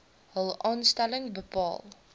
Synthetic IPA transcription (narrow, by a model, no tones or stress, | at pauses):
ɦəlˠɑːnstæləŋbəpɑ̰ːlˠ